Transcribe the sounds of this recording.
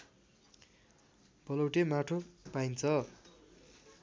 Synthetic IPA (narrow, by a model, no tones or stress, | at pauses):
b̥ʌlʌwʈemaʈʰopajnt͡sʰʌ